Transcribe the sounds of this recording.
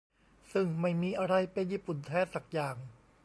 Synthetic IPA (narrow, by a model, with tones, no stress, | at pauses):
sɯ˥˩ŋma˥˩jmiː˧˩ʔa˧ɾa˧jpe˧njiː˥˩pu˨˩nt̪ʰɛː˦˥t̚sa˨˩k̚jaː˨˩ŋ